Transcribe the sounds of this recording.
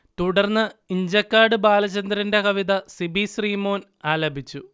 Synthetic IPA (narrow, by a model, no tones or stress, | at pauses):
t̪uɽɐrnːɨiɲd͡ʑɐkːaːɖɨbaːlɐt͡ɕɐnd̪ɾinde̞kɐʋiðɐsibʱisriːmo̞ːn | aːlɐbʱit͡ɕːu